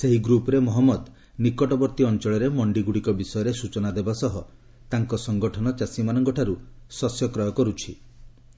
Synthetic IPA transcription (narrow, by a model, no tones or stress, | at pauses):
seɦiɡɾupɔɾemɔɦɔmːɔd̪ | nikɔʈɔbɔɾt̪iɔnt͡ʃɔɭɔɾemɔɳɖiɡuɽikɔbisɔjɔɾesut͡ʃɔnad̪ebasɔɦɔ | t̪aŋkɔsɔŋɡɔʈʰɔnɔt͡ʃasimanɔŋkɔʈʰaɾusɔsjɔkɾɔjɔkɔɾut͡ʃʰi